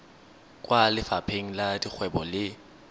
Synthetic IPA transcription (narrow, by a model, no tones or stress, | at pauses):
kʼwalɪfapʰeŋ̩ladik͡xʰwɛbɔlɪ